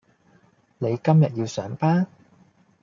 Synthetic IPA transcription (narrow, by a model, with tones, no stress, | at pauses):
ne˨˧jkɐ˥mjɐ˨t̚jiː˧wsœː˨˥ŋpaː˥n